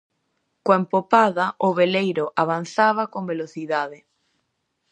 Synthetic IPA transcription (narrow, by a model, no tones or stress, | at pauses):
koempopaðaʔʊβelejɾoʔaβ̞an̟θaβ̞akombeloθiðaðe